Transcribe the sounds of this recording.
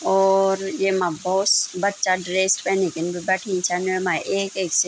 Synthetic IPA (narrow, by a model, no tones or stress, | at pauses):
ɔːɾjemãbɔːt̪bətːʃaɖɾeːsʈpɛnikɪnbʱibəʈʰĩt͡ʃʰanemãʔeːkeːkse